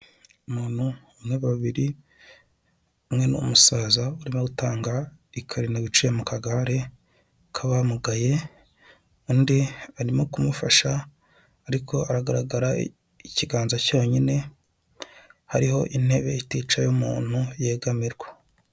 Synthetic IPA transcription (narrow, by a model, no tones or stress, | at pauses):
umuːn̥hu | mŋe̞βaβiɾi | umŋe̞nṵmusaːzauɾimoɡutaːŋɡaikʰaɾinaβit͡ʃujemukaɡaɾe | kʰaβamuɡaje̞ | undiaɾimokumufaʃaː | ɾikʰo̞aɾaɡaɾaɡaɾa | iciɡaːnzacoːɲine̞ | haɾiho̞̰ʔin̥he̞βe̞itiːt͡ʃajumuːn̥huje̞ːɡamiɾɡwa